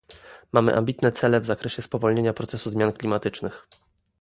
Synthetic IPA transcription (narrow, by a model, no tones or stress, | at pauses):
mamɘ̰ʔa̰mbʲit̪nɛt̪sɛlɛvzakɾɛɕɛspɔvɔlɲeɲapɾɔt̪sɛsuzmjanklʲimat̪ɘt͡ʂnɘx